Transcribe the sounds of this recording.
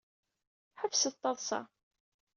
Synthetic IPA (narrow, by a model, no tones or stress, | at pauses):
ħəfsət̪ˤːɑðˤsɑ̰